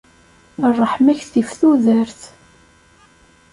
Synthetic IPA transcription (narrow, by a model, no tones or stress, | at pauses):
rˤːəħmæçθifθuðəɾθ